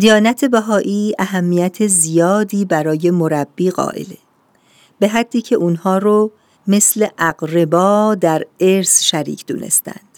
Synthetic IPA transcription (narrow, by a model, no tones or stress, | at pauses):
d̪ijɒːnæt̪ʰe̞bæɦɒːʔiːæɦæmːijæt̪ʰezijɒːd̪iːbæɾɒːje̞mo̞ɾæbːiːɣɒ̰ːʔḛle | b̥e̞ɦæd̪ːiːcʰe̞ʔuːnhɒːɾo | me̞sle̞ʔæɡɾebɒːd̪æɾeɾsʃæɾḭːcʰd̪ṵːnʔe̞̰st̪æ̰nd̪̥